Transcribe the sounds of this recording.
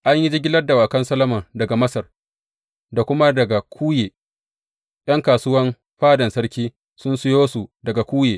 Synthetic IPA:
ʔa˦ɲji˦d͡ʒɪ˦ɡʲɪ˦lɐ˦rda˨waː˨kɐ˦nsɐ˦lɐ˦mɐ˨ndɐ˨ɡa˨mɐ˦sɐ˨r | da˨kʷʊ˦ma˦dɐ˨ɡa˨kʰʷuː˦jeː˨ | j̰ɐ˦ŋkaː˨sʊ˦wɐ˦m | ɸaː˦dɐ˨nsɐ˦rkʲiː˦ | sʊ˦nsʊ˦joː˦su˨dɐ˨ɡa˨kʷuː˦jeː˨

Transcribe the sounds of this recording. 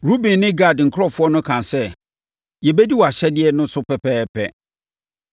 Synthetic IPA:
ɾu˦bĩ˨nːɪ̃˦ɡa˦˨dŋ̩˨kʰɾɔ˦fʊ˦ɔ˦nʊ̃˦kʰã˨nsɛ˦ | jɛ˨bɛ˦di˦wɔ˨a˨ɕɛ˦dɪ˦ɛ˦nʊ̃˦sʊ˦pʰɛ˨pʰɛː˦pʰɛ˦

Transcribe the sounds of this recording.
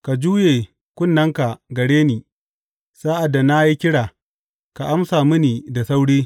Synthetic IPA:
ka˨d͡ʒuː˦jeː˨ | kʷʊ˦nːɐ˦ŋka˨ɡɐ˨ɽeː˦niː˨ | saː˦ʔa˨dːa˨na˦ji˦kʲɪ˦ɽaː˨ | ka˨ʔa˦msaː˨mi˦niː˨da˨sa˦wɽiː˦

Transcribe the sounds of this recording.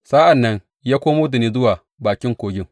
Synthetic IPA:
saː˦ʔa˨nːɐ˦n | jaː˦kʷoː˦moː˦di˨niː˦zʊ˦waː˨ | baː˨kʲɪ˦ŋkʷoː˨ɡʲɪ˦ŋ

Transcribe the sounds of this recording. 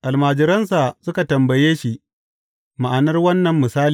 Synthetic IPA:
ʔa˨lmaː˨d͡ʒɪ˦ɾɐ˦nsa˨sʊ˦ka˨tɐ˨mbɐ˨jeː˦ʃi˦ʔ | ma˨ʔa˨nɐ˦rwɐ˦nːɐ˨mːɪ˨saː˦l

